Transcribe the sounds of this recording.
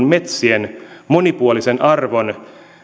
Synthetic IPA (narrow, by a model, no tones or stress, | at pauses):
nmet̪sienmonipuolisenʔɑrʋo̞n